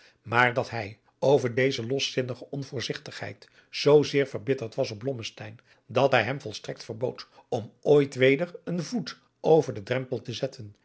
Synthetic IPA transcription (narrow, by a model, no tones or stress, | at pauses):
maːɹdɑtɦɛj | owvəɹdejzəlɔsɪnəχəɔnvʊːɹzɪχtəχɦɛ̰jt | z̥owzɪːɹvəɹbɪtəɹtʋɑsɔb̚blɔməstɛjn | dɑtɦɛjɦɛmvɔlˠstrɛk̚tfəɹbowtɔmoːjtʋejdəɹənvut | ʔowvəɹdədrɛmpəlˠtəzɛtʰən